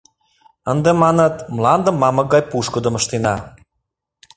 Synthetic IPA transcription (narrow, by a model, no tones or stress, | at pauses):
ənd̪emɑnɤt̪mlɑnd̪ə̆mːɑmɤ̆ɡɑjpuʃkə̆d̪ə̆məʃt̪enɑ